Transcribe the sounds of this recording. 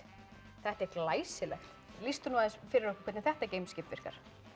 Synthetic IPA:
θɛht̪ɛɾklaːjsɪlɛ̰xt̪ | list̪ʏnuaðɪsfɪɾɪɾɔhkʏ̥kʰɛɾt̪nɪθɛht̪aɾcejmscɪpvɪr̥ka̰ɾ̥

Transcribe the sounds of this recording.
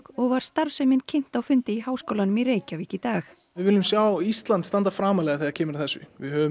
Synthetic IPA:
ɔɣvaɾ̥st̪aɾvsɛmɪncʰɪn̥t̪awfʏnt̪ɪiɦaːwskowlanʏmireːjcaviːcɪt̪aːx | vɪðvɪlːʏmsjaːwist̪lant̪st̪ant̪afɾaːmalɛɣaθeacʰɛːmɪɾaθɛsːʏ̰vɪ̰ðhœvʏ

